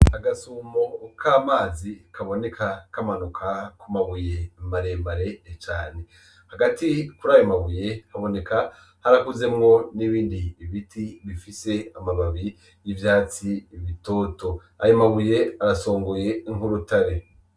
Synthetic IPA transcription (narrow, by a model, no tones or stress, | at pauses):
aɡasumo̞kʰaːmaːzikʰaβo̞ne̞kʰakamanukʰakumaβuje̞mbaɾembaɾe̞t͡ʃaːne̞ | haɡatikuɾaːjomaβuje̞haβo̞ne̞ka | haɾakuze̞mŋo̞niβiːndiːβitʰiβifise̞amaβaβi | jivjaːt͡siβito̞ːto̞ | a̰jomaβuje̞aɾaso̞ːŋɡoje̞ŋhuɾutaɾe